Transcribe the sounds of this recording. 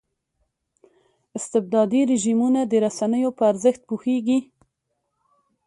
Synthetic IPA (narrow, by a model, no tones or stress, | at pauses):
ɪst̪ɪb̚d̪ɑd̪iɾɪʒimunad̪əɾasanəjopəaɾzəxt̪̚puxeɡi